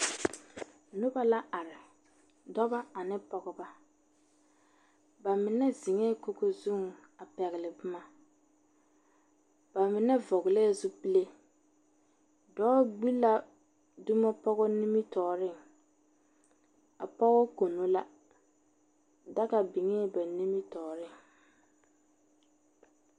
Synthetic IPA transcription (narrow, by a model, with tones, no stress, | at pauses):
nʊ˦ba˦la˦a˨ɾɪ˨ | dɔ˦ba˦a˨nɪ˦pɔ˦ɣɔ˦ba˦ | ba˨mɪ˨nɛ˦zɪ˨ŋɛː˦ko˦ko˦zu˦˨ŋa˨pɛ˨ɣɪ˨lɪ˨bʊ˦ma˦ | b̥a˨mɪ˨nɛ˦vɔ˨ɣɪ˨lɛː˦˨zʊ˦pi˦le˦ | dɔː˦ɡ͡bi˦la˦ | dʊ˦mɔ˦pɔ˦ɣɔ˦ni˦mi˦tɔː˨ɾɪ˦˨ŋ | a̰˨pɔ˦ɣɔ˦ko˨no˦la˦ | da˦ka˨bi˨ŋɛ˦ba˨ni˦mi˦tɔː˨ɾɪ˦˨ŋ